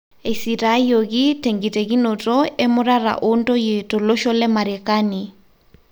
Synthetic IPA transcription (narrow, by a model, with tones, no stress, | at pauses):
e˨siɾa˦joki˦tʰe˨ŋɡi˨tʼe˨k̬i˦nɔtʼɔe˦mʊ˦ɾa˦ɾa̰˨ʔʊ˦ntʼɔ˦je˨tʼʊ˨lɔ˦ʃɔ˦lɛ˦ma˨ɾɛkʼani˨